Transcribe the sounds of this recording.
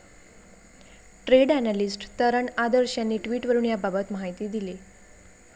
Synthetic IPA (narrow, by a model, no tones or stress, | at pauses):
ʈɾeɽænalisʈt̪əɾəɳad̪əɾɕjanːiːʈʋiːʈʋəɾuːnjababət̪məɦajt̪iːd̪ile